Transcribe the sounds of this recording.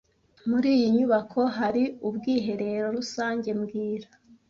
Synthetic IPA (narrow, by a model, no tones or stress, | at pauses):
muɾiːjiɲuβakʰo̞ɦaɾiubɡiːɦe̞ɾe̞ɾo̞ɾusaːɲɟe̞mɡiːɾa